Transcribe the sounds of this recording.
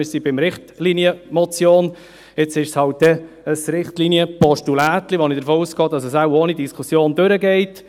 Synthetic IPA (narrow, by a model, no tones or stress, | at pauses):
ʏsibɪmɾɪχtlinjəmɔt͡sjoːn | ɪt͡sɪʃshɑlt̚dɛ | əsɾɪχtliniəpɔʃtulæːt̪liʋɔnid̥əɾfoːuːsɡ̥ɑːd̥ɑsəsawoːnidiskʰusjoːndøɾəɡɛɪt